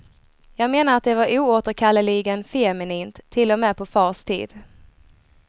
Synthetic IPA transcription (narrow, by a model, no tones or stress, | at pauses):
jɑːɡmeːnaɾat̪̚d̪ɛvaɾuːoːt̪əɾkʰalːəlɪɡənfɛmɪniːnt̪ʰːɪlːɔmɛːpʰɔfɑːʂt̪ʰḭːd̪